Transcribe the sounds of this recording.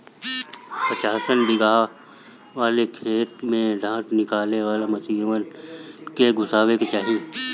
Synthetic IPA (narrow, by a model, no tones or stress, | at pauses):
pət͡ʃaːsənbɪɡaː | ʋaːlekʰeːt̪mẽɖʱãːʈnɪkaːleʋaːlemɐsiːʋənkeɡʊsaːʋekt͡ʃaːɦi